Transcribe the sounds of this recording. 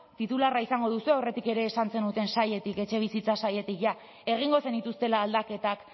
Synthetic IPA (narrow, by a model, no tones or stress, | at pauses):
t̪it̪ularaisaŋɡo̞ð̞usue̞ore̞t̪ike̞ɾe̞ːsant͡se̞nut̪e̞nsaje̞t̪ike̞t͡ʃe̞β̞isit͡sasaje̞t̪ikʝa | e̞ɣ̞iŋɡo̞se̞nit̪ust̪e̞laːld̪ake̞t̪ak